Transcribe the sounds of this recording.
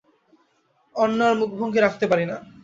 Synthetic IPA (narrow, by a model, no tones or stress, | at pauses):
ɔnːaɾmuk̚ʰbʱoŋkʰeɾakʰt̪epaɾina